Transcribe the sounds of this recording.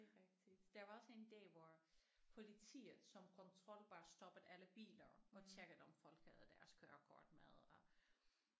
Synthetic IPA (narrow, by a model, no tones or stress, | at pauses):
d̥e̝ʁɛɡ̥̚d̥id̥d̥ɑʋɑ̈ɒ̽se̝nd̥ɛ̰ːʋɒpʰo̝lit͡sʰḭːð̩ˠsɒ̽mkʰɒ̽nt͡sʰʁɒ̽l̰ʋ̥ɑ̈ːsd̥ɒ̽b̥əð̩ˠæləb̥ḭːlɐɒ̽t͡sʰeɡ̥əð̩ˠɒ̽mfɒ̽l̰ɡ̥hæð̩ˠd̥æɐskʰøːɐkʰɒ̰ːd̥mæð̞ˠɒ̽